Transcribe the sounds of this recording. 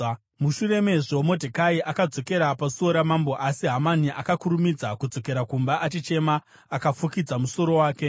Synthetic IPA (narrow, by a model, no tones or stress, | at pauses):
muʃure̞me̞ʐomo̞dʱekaiʔakad͡zo̞ke̞ɾapasuo̞ɾamambo̞ʔasiɦamaniʔakakuɾumid͡zakud͡zo̞ke̞ɾakumbaʔat͡ʃit͡ʃe̞maː | kafukid͡zamuso̞ɾo̞waːke̞